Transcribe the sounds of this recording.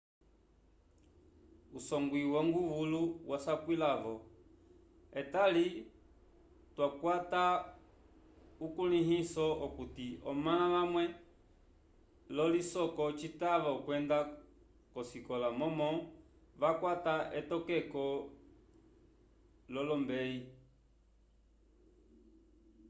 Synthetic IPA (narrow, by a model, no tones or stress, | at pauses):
usɔŋɡwiwɔŋɡuvuluwasakwilavɔ | ɛtali | twakwata | ukuliɦisɔɔkutiɔmaaʋamwɛ | lɔlisɔkɔt͡ʃitaʋɔkwɛnda | kɔsikɔlamɔmɔ | ʋakwataɛtɔkɛkɔ | lɔlɔmbɛi